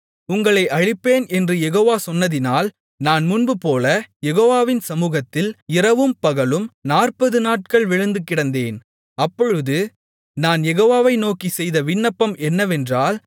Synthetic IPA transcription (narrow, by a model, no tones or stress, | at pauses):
ʊŋɡɐɭɐɪʔɐɻɪpːeːnɛndrɯjɛɣoːʋaːsɔnːɐðɪnaːl | naːnmʊnbɯpoːlɐjɛɣoːʋaːʋɪnsɐmuːɣɐt̪ːɪlɪrɐʋɯmpɐɣɐɭɯmnaːrpɐðɯnaːʈ̚kɐɭʋɪɻɯnd̪ɯkːɪɽɐnd̪eːn | ɐpːɔɻɯðɯ | naːnjɛɣoːʋaːʋɐɪnoːkisɛjðɐʋɪnːɐpːɐmɛnːɐʋɛndraːl